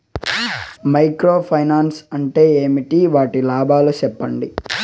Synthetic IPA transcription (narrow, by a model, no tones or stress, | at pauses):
mɐjkɾoːpʰɐjnaːnsɐɳʈe̞ːeːmiʈiʋaːʈilaːbʱaːlut͡ʃɛpːɐɳɖi